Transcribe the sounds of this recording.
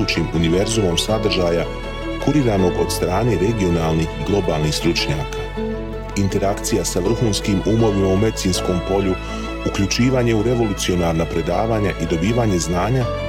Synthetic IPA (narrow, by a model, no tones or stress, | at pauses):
uːt͡ʃimuniʋe̞ɾzumo̞msad̪r̩ʒaːja | kuɾiɾaːno̞ɡo̞d̪st̪ɾaːne̞ɾe̞ɡio̞naːlˠnixɡlˠo̞baːlˠnixst̪ɾut͡ʃɲaːkaː | int̪e̞ɾakt̪sijasaʋr̩xuːnskimumo̞ʋimaume̞d̪it̪siːnsko̞ːmpo̞ʎu | ukʎut͡ʃiːʋaːɲe̞uɾe̞ʋo̞lˠut̪sio̞naːɾnapɾe̞d̪a̰ːʋaːɲaʔid̪o̞biːʋaːɲe̞znaːɲa